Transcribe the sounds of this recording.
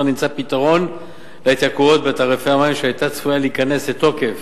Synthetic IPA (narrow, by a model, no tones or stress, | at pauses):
ʁnimt͡sapit̪aʁo̞n | leit̪jakuo̞t̪bet̪aʁefeamaimʃeajt̪at͡sv̥ujaliːkane̞slet̪o̞ke̞f